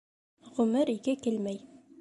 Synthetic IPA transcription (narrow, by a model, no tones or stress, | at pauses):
ʁɵ̆mɘɾikɘkɘlmæj